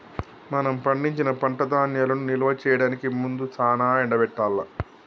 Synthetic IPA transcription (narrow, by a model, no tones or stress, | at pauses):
mɐnɐmpɐɳɖiɲt͡ʃinɐpɐɳʈɐd̪aːnjaːlɐnunilɐʋɐt͡ʃɛːjɐɽaːnikimund̪ut͡ʃaːnaːɛɳɖɐbɛʈːaːlːɐ